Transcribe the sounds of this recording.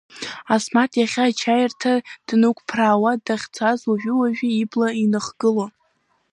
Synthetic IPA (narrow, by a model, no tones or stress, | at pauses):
asmatʰʼjaχʲat͡ʃʰajrtʰad̥nukʷʰʼpʰraːwadaχʲt͡sʷʰazuʒᶣʏwaʒᶣiiblainɨχɡɨlo